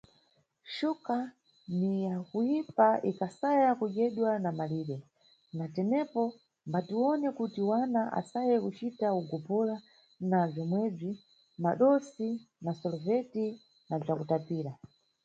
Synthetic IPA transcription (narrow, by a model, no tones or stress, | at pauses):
ʃuka | nijakujipaʔikasajakuʄɛɗwanamaliːɾɛ | natɛnɛpɔ | mbatiwɔnɛkutiwanaʔa̰sajɛkut͡ʃitauɡɔpɔla | nab͡ʐɔmwɛb͡ʐi | maɗɔsi | nasɔlɔvɛti | nab͡ʐakutapiːɾa